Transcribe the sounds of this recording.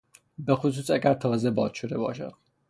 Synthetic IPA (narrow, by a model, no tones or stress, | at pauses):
be̞xos̬uːsæɡæɾt̪ʰɒːzebɒːzʃod̪e̞bɒːʃæ̰d̪̥̚